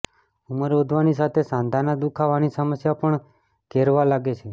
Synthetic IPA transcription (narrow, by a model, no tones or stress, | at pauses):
uməɾʋod̪ʱʋanisat̪ʰesãnd̪ʱanad̪ukʰaʋanisəməsjapəɳ | keɾʋalaɡet͡ʃʰe